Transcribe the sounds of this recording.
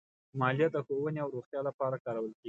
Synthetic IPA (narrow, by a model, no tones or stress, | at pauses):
mɑlijat̪̚d̪əxowəneawɾoxt̪jɑlapɑɾakɑɾawəlkeɡi